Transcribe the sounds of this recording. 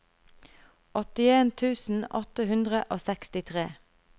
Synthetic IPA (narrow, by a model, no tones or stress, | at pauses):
ɔt̪ɪeːnt̪ʰʉːsn̩ɔt̪əhʉnd̪ʁəʔoːsɛkst̪ɪt̪ʰʁḛː